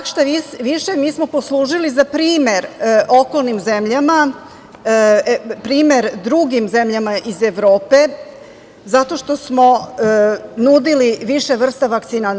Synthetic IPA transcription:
kʃt̪aiʋiʃe̞miːsmo̞po̞slˠuːʒilizapɾiːmeɾʔo̞ko̞lˠnimzemʎama | pɾiːme̞ɾd̪ɾuɡimze̞mʎamaʔize̞ʋɾoːpe̞ | zat̪o̞ʃt̪o̞smo̞ | nud̪iliʋiʃeʋr̩st̪aʋak̚t̪siːna

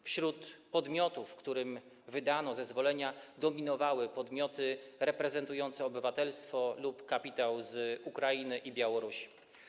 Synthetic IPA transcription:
fɕɾut̪pɔd̪mʲjɔt̪ufkt̪uɾɘm | vɘd̪anɔzɛzvɔlɛɲad̪ɔmʲinɔvawɘpɔd̪mʲjɔt̪ɘɾɛpɾɛzɛnt̪ujɔnt̪sɛɔbɘvat̪ɛlst̪fɔlupkapʲit̪awzukɾainɘʔibʲjawɔɾuɕi̥

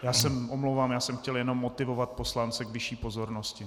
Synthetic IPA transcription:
jaːsɛmʔomlowvaːmjaːsɛmxcɛljɛno̞mːot̪ɪvovat̪̚po̞slant͡sɛɡvɪʃiːpo̞zo̞ɾnoscɪ

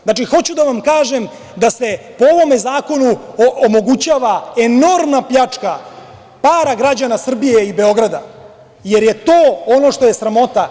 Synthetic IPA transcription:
znat͡ʃixo̞t͡ɕud̪aʋamkaːʒe̞m | d̪ase | pooʋo̞mezaːko̞nuomo̞ɡut͡ɕaːʋaeno̞ɾmnapʎat͡ʂka | paːɾaɡɾad͡ʑanasr̩bije̞ibe̞o̞ɡɾad̪a | je̞ɾje̞t̪oːo̞no̞ʂt̪o̞je̞sɾamo̞t̪a

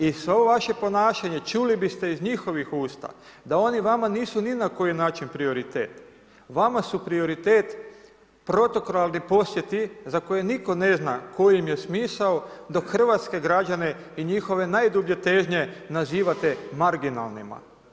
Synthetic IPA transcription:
isʋeooʋaʃe̞po̞naːʃaɲe̞t͡ʃulibist̪e̞izɲixo̞ʋixuːst̪a̰ | d̪ao̞niʋamaniːsuninako̞jinaːt͡ʃinpɾio̞ɾit̪eːt̪ | ʋamasupɾio̞ɾit̪e̞ːt̪ | pɾo̞t̪o̞koɾalˠnipo̞sje̞t̪izako̞jeniko̞ne̞zna̰ko̞jimje̞smiːsaod̪o̞kxr̩ʋat̪ske̞ɡɾad͡ʒane̞ | iɲixo̞ʋe̞naːjd̪ubʎe̞t̪e̞ːʒɲe̞naziːʋat̪e̞maɾɡina̰lˠnima̰

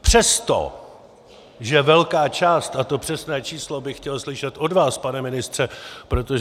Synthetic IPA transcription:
pr̥ɛst̪o̰ | ʒɛvɛlkaːt͡ʃaːst̪at̪o̞pr̥ɛsnɛːt͡ʃiːslo̞bɪxcɛlslɪʃɛt̪ʔo̞dvaːspanɛmɪnɪst̪r̝̥ɛpɾo̞t̪o

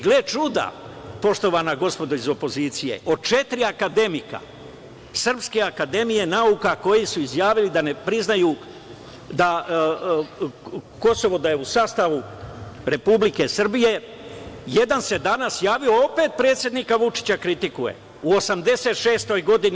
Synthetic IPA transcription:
ɡlet͡ʃud̪a̰po̞ʃt̪o̞ʋanaɡo̞spo̞d̪oizo̞po̞ziːt̪sije̞̰ʔo̞d̪t͡ʃe̞t̪ɾiakad̪e̞mika̰ | sr̩pske̞akad̪e̞mije̞naukako̞jisuizjaːʋilid̪anepɾiznajuː | d̪a | ko̞so̞ʋo̞d̪ajeusaːst̪aʋuɾe̞publike̞sr̩bije̞ | je̞d̪anse̞d̪anasjaːʋio̞ope̞ːt̪̚pɾe̞ːt̪sje̞d̪nikaʋut͡ʃi̥t͡ɕakɾit̪ikuje̞̰ | uosamd̪e̞se̞ːt̪ʃe̞ːst̪o̞jɡo̞d̪ini

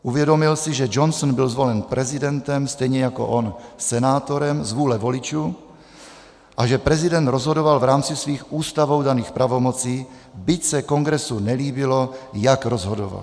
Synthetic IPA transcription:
ʔuvjɛdomɪlsiʒɛd͡ʒonsɔnbɪlzvolɛnpɾʔɛzidɛnt̪ɛmst̪ɛjɲɛjako̰ʔonsɛnaːt̪oɾɛmzvuːlɛvolit͡ʃuː | ʔaʒɛpɾɛzidɛnd̪ɾozɦodovalvɾaːmt͡sisviːxʔuːst̪avowdaniːxpɾavomot͡siː | bɪcsɛkoŋɡɾɛsunɛliːbilojakɾozɦodo̰va̰l

